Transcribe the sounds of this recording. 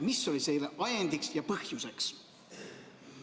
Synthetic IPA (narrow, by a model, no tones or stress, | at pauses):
misːo̞lisejleʔɑjend̪iksjɑpɤhjuse̞ks